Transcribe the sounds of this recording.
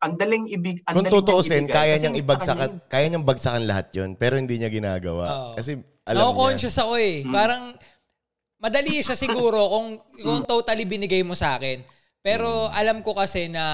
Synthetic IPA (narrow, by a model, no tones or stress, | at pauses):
ɐŋd̪ɐlɪŋɪbɡɐkʊŋt̪ʊt̪oʔosɛnkaːjɐɲɐŋɪbɐɡsɐkɐkaːjɐɲɐŋbɐɡ̚sɐkɐnlɐhat̪̚jonpɛːɾo̞hɪnd̪iːɲɐɡɪna̰ːɡɐ̰wa̰ʔkkɐsɛ | ʔɐ̰lɐomkont͡ʃɐsɐko̞ɛpaːɾɐŋ | mɐd̪ɐliʃɐsɪɡuːɾo̞koŋkoŋt̪ot̪ɐlibɪnɪɡajmosɐʔaːkɛn | pɛːɾo̞ʔɐlɐmko̞kɐsɛnɐ